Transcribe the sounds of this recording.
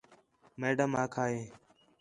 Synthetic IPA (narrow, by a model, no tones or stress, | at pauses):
meːɖəmaːkʰaːɦeː